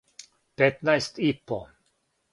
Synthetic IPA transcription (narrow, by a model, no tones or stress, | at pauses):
pet̪naest̪ipo